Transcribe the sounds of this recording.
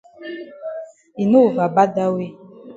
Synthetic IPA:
i˨nu˦˨va˨ba˦da˦we˦

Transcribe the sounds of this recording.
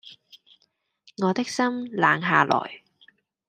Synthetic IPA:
ŋɔː˨˧t̪ɪ˥k̚sɐ˥mlaː˨˧ŋɦaː˨lɔ̰ː˨˩j

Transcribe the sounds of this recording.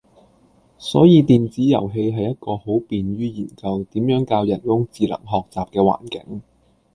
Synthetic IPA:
sɔ̰ː˨˥jiː˧t̪iː˨nt͡siː˨˥jɐ̰˨˩wɦe˧jɦɐ˨jːɐ˥t̚kɔː˧ho˨˥wpiː˨nɥyː˥jiː˨˩nkɐ˧wt̪iː˨˥mjœː˨˥ŋkaː˧wjɐ˨˩njʊ˥ŋt͡siː˨lɐ̰˨˩ŋɦɔː˨k̚t͡saː˨p̚kɛː˧wa̰ː˨˩nkɪ̰˨˥ŋ

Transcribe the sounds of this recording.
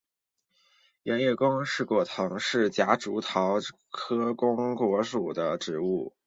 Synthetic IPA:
ɥɛ˧˥nɥɛ˥˩kʊ˥ŋʂɻ̩˥˧kwɔ˥˩t̪ʰɤ˧˥ŋʂɻ̩˥˩t͡ɕja˧˥ʈ͡ʂu˧˥t̪ʰɑ˧˥ʊ | kʰɤ˥kʊ˥ŋkwɔ˧˥ʂu˨˩d̪ə˦ʈ͡ʂɻ̩˧˥u˥˩

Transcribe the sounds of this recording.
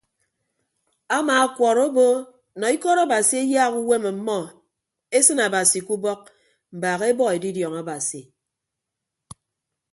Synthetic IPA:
a˦maː˨a˦kʷɔ˨ɾo˦bo˦ | nɔ˨i˦kɔ˦ɾa˦˨ba˨si˨˦e˦ja˦ɣu˦we˦ma˨˦mɔ˦ | e˦sɨ˦na˨ba˨si˨ku˦bɔ˦k̚ | m̩˨baː˨ɣe˦bɔ˦e˨di˦djɔ˨ŋa˨ba˨si˨

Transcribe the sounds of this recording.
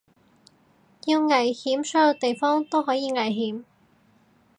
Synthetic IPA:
ji˧wŋɐ˨˩jhiː˨˥msœː˨˥jo˨˧wt̪e˨jfɔː˥ŋt̪o˥wɦɔː˨˥jiː˨˧ŋɐ˨˩jɦiː˨˥m

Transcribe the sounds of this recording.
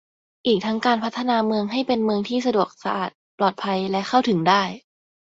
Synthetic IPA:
ʔiː˨˩k̚t̪ʰa˦˥ŋkaː˧npʰa˦˥t̪ʰːa˧naː˧mɯ˧əŋɦa˥˩jpe˧nmɯ˧əŋt̪ʰiː˥˩sa˧du˨˩ək̚sa˧ʔa̰ː˨˩t̪̚plɔː˨˩t̪̚pʰa˧jlɛ˦˥kʰa˥˩wt̪ʰɯ˩˦ŋdaː˥˩j

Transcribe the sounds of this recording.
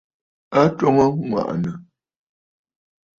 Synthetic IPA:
a˦to˦ŋə˦ŋwa̰˨ʔnə˨

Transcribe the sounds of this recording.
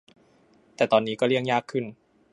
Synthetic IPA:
t̪ɛː˨˩t̪ɔː˨˩nːiː˦˥kɔː˥˩ɾi˥˩əŋjaː˥˩kʰːɯ˥˩n

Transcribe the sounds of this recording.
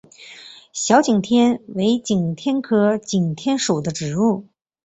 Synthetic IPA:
ɕjɑ˧˥ʊt͡ɕi˨˩ŋt̪ʰjɛ˥nwe˧˥ɪt͡ɕi˨˩ŋt̪ʰjɛ˥nkʰɤ˥t͡ɕi˨˩ŋt̪ʰjɛ˥nʂo˨˩ʊd̪ə˦ʈ͡ʂɻ̩˨˩u˥˩

